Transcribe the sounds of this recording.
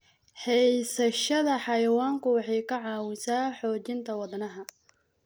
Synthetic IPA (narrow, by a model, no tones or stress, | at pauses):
ħɛjsɐʃɐðɐħɑjɐwaːŋkʰʊwɑħɑjkʰɐʕɑːwɪsaːħɔːt͡ʃɪnt̪ʰɐwɐd̪nɐɦɐ